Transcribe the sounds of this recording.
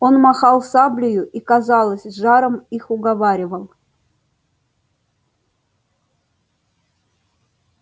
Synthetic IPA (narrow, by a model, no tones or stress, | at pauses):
o̞nmɐxɑlˠsablʲɪjʊʔikazɑlˠəsʲʐɑɾəmixʊɡɐvaɾʲɪvəlˠ